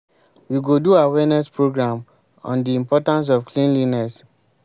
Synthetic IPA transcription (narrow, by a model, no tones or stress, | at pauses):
wiɡoduawɛnɛspɹoɡɹãm | ɔ̰̃ndiĩmpɔtãns̬ɔfklĩnlinɛs